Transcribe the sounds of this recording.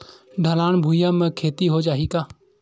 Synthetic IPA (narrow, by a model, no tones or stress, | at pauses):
ɖʱəlaːnbʱuːjaːmẽkʰeːt̪iɦoːd͡ʒaːɦiːkaː